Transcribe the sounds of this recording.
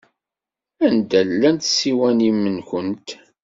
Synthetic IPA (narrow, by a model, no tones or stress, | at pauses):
ænd̪ælːænt̪siwænimːənkənt̪